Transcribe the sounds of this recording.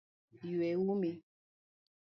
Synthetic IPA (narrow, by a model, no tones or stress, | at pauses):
jwɛwume